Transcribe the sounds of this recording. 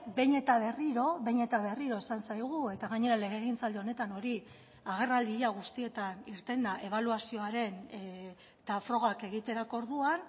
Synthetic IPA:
be̞ɲe̞t̪aβ̞e̞riɾo̞βe̞ɲe̞t̪aβe̞riɾo̞esansajɣ̞ue̞t̪aɣaɲe̞ɾale̞ɣ̞eɣint͡sald̪eo̞ne̞t̪ano̞ɾi | aɣ̞e̞rald̪iaɣ̞ust̪ie̞t̪aniɾt̪e̞nd̪aʔe̞β̞aluasio̞aɾe̞n | t̪afɾo̞ɣ̞ake̞ɣ̞it̪e̞ɾako̞ɾðuan

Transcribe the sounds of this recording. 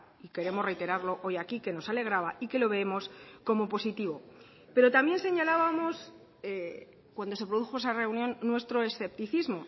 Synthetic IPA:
ike̞ɾe̞more̞jt̪e̞ɾaɾlo̞ʔo̞jakike̞no̞sale̞ɣ̞ɾaβaike̞lo̞β̞e̞emo̞sko̞mo̞po̞sit̪iβo | pe̞ɾo̞t̪ambje̞nse̞ɲalaβamo̞s | e | kwand̪o̞se̞pɾo̞ðuxo̞e̞sare̞unjõ̞nːwe̞st̪ɾo̞e̞sθe̞p̚t̪iθizmo

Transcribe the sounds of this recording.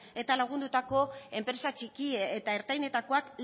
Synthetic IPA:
e̞t̪alaɣ̞und̪ut̪ako̞e̞mpɾe̞sat͡ʃikiet̪ae̞ɾt̪ajne̞t̪ako̞akl

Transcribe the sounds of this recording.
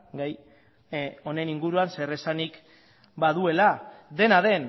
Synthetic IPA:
ɡaj | o̞ne̞niŋɡuɾuanse̞re̞sanik | baðue̞lad̪e̞naðe̞n

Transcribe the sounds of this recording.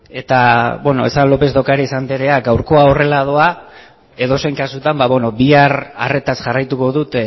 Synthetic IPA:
e̞t̪abweno̞̰esanlo̞pe̞zd̪okaɾaisand̪eɾe̞aɡawɾko̞ao̞re̞lað̞o̞a | e̞ðo̞se̞jŋkasut̪ambaβeno̞biara̰re̞t̪asʝarajt̪uko̞ðut̪

